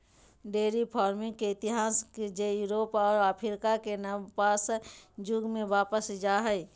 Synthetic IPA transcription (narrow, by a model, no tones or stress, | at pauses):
ɖeːɾipʰɔːɾmɪ̃ŋkeɪt̪ɪɦaːsked͡ʒejuːɾoːpɔːɾaːpʰɪɾɪkakenəpaːsd͡ʒʊɡmẽʋaːpəsd͡ʒaɦɛj